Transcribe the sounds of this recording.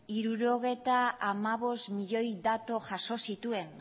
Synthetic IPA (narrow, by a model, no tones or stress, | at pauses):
iɾuɾo̞ɣ̞e̞t̪aːmaβ̞o̞st̪miʎo̞jd̪at̪o̞ʝaso̞sit̪ue̞n